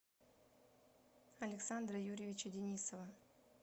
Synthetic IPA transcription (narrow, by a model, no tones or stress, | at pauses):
ɐlʲɪksand̪ɾəjuɾʲɪvʲɪt͡ɕədʲɪnʲisəvə